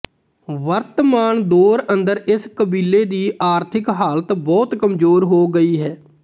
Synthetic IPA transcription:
ʋəɾt̪əmaːɳd̪oːɾənd̪əɾɪskəbiːleːd̪iːʔaːɾt̪ʰɪkɦaːlət̪bɔːt̪kəmzoːɾɦoːɡəiːɦɛː

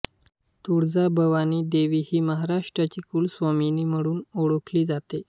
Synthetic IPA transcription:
t̪uɽd͡zabʱəʋaniːd̪eʋiːhiːməɦaɾaʂʈɾat͡ɕiːkuːlsʋaminiːm̤əɽuːnoɽəkʰliːd͡zat̪e

